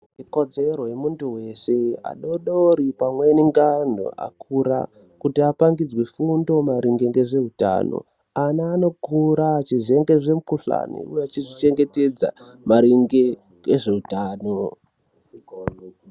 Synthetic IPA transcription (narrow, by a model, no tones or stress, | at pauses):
iko̞d͡zerojemuntuwe̞se̞a̰ɗoɗoɾipamweniŋɡan̤o̰ʔa̰kʰuɾa̰ | kutiapaŋɡid͡zwefundo̞maɾiŋɡeŋɡe̞ʐe̞ɦuta̰ːno̰ | anaːno̞kuɾat͡ʃize̞ŋɡe̞ʐe̞mukuɬa̰nḭujeat͡ʃizit͡ʃe̞ŋɡe̞ted͡za̰ | maɾiŋɡe | eʐe̞ɦutaːno